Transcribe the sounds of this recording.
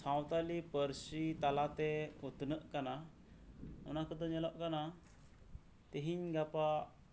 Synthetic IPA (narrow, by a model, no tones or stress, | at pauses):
sawt̪alipəɾsit̪alat̪ɛut̪nəʔkana | unakət̪ɔɲəlɔʔkana | t̪eɦiɲɡapa